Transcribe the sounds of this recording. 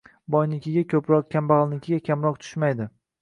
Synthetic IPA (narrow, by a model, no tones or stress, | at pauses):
bɒjnɪkʲʰɪɡʲakʲʰɵpɾɒq̚kʲʰambaʁlˠnɪkʲʰɪɡʲakʲʰamɾɒq̚t̪ʰʊ̥ʃmajd̪ɪ